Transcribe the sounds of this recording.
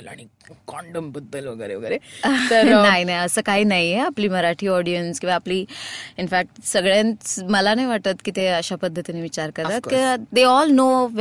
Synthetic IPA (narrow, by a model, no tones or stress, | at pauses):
la̰ɽ̃i | kɔɳɖəmpəd̪ʱːəlʋəɡəɾḛʋəɡəɾet̪əɾnaɦinajəsəːkaɦiːnaieapliːməɾaʈʰiːɔɽijənskĩʋaːpliːinfæk̚ʈsəɡɭjãnməlanajʋaʈt̪at̪kit̪eəɕapəd̪ʱːət̪ineʋit͡ɕaɾkəɾt̪at̪kid̪eɔlnoʋ